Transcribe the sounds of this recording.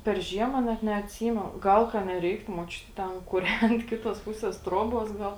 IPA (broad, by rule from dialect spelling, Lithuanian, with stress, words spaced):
pʲɛr ˈʒʲiɛmɐ nʲɛt nʲɛɐtʲˈsʲiːmʲɛnʊ ˈɡɐlˠ kɐ nʲɛˈrʲɛɪktʊ muɔˈt͡ʃʲʊtʲɪ ˈtʲɛn kʊˈrʲɛnt ˈkʲɪtoːs ˈpʊsʲeːs ˈtroːˌboːs ˈɡɐlˠ